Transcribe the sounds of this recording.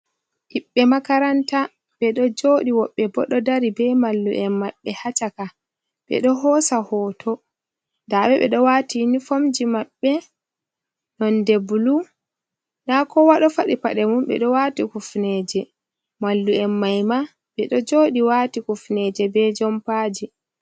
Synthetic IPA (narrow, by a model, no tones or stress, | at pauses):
ʔiɓːɛmakaɾanta | ɓɛɗɔd͡ʒoɗiwɔɓːɛbɔɗɔdaɾibɛmalːṵʔɛmːaɓːɛhat͡ʃaka | ɓɛ̰ɗɔɦɔsahɔːtʰɔ | daɓɛɓɛ̰ɗɔwatinifomd͡ʒimaɓːɛ | nɔndebulu | nakɔwaɗɔfaɗipaɗɛmumɓɛ̰ɗɔwatikufnɛd͡ʒɛ | malːuɛmːajma | ɓɛɗɔd͡ʒoɗiwatikufnɛd͡ʒɛbɛd͡ʒɔmpad͡ʒi